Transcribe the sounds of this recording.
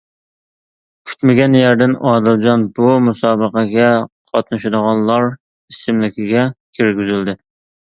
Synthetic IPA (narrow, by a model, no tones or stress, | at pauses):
kʲʰy̥t̪mɪɡʲɛnjæɾd̪ɪnɑːd̪ɪld͡ʒɑnbumusɑːbəqʰɑɡʲɛqʰɑt̪̚nɨʃɪd̪əʁɑnlˠɑɾ | isɪmlɪkʲʰɪɡʲɛkʲʰiɾɡʲyzɪld̪ɪ